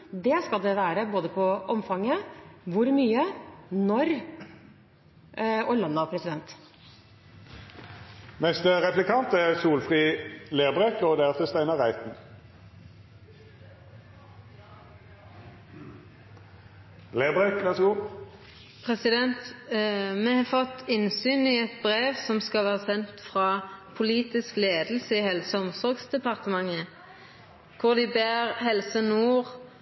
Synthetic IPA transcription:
d̪ɛskɑld̪ɛʋæːɾəboːd̪əpʰɔʔɔmfɑŋːəʋʊɾmyːənɔɾ | ɔlɑnːɑpʰɾɛsɪd̪ɛnt̪ | mɛst̪ʁɛplɪkʰɑnt̪æʁsuːlfʁiːleːbʁekoːd̪ɛæʁt̪ʰəst̪æɪnəʁæɪt̪n̩ | leːbʁeklɛsɡu | pʰʁɛsɪd̪ɛnt̪ | mɛhɑfɔt̪ːɪnsyːnɪɛt̪bʁeːʋsɔmskɑlʋæːʁəsɛnt̪fʁɑːpʰʊliːt̪ɪskleːd̪l̩səihɛlsəɔmsɔʁɡsd̪ɛpɑʁt̪əmɑŋːə | kʰʊʁd̪ɪbæːʁhɛlsənuːʁ

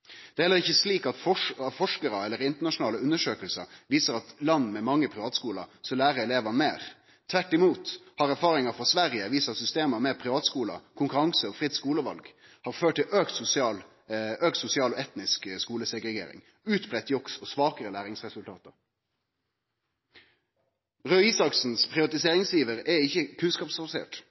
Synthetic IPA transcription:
d̪̥ɛhɛlːəʁɪçəsliːkɑt̪fɔɑfɔʂkəɾəɛlːəɾɪnt̪əɳɑʂʊnɑːləʉnːəʂøːkəlsə̰ʋiːsəɾɑt̪lɑnːmɛmɑŋːəpʰɾɪʋɑːt̪skuːlə̰sɔlæːʁəɛleːʋɑnmeːʁ | t̪ʰʋæʈːɪmuːt̪hɑʁæɾfɑːɾɪŋɑfʁɑsʋæɾjəʋiːsɑsʏst̪eːməmeːʁpʰɾɪʋɑːt̪skuːlə̰kʰʊŋkʉɾɑŋsəɔfʁɪt̪ːskuːləʋɑ̰lɡ | hɑːʁføːʈʰːɪøːkt̪sʊsɪɑːl | øːk̚t̪sʊsɪɑːlɔɛt̪nɪskskuːləsɛɡʁɛɡḛːɾɪ̰ŋ | ʉːt̪bʁɛt̪ːjɔksɔsʋɑːkəɾəlæːʁɪŋsʁɛsʉlt̪ʰɑːt̪əʁ | ʁøːiːsɑksn̩spʰʁɪʋɑt̪ɪseːɾɪŋsjiːʋəʁɛɪçːəkʰʉnskɑːpsfɑsḛːʈ

